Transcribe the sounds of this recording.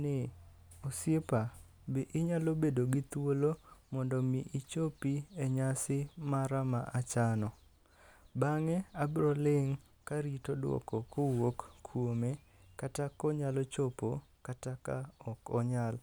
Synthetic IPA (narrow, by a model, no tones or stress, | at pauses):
nɪ | ɔsepa | bɪʔɪɲalobedoɡɪt̪wolomɔndɔmiʔit͡ʃopieɲasɪmaɾamaʔat͡ʃanɔ | baŋeabɾolɪŋ | kaɾitodwɔ̰kɔkʊwokkʰːwome | katakɔɲalɔt͡ʃopokatakaɔkɔɲal